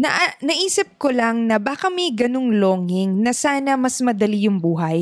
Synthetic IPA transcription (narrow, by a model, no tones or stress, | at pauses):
nɐʔnɐʔiːsɪp̚kolɐŋnɐbaːkɐmɐjɡɐnoŋloːŋɪŋnɐsaːnɐmɐsmɐd̪ɐlijʊŋbuːɦɐj